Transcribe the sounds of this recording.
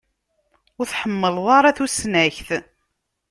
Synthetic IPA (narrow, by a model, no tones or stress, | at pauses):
ʊɾθħəmːəlðˤɑɾˤaθusnæçθ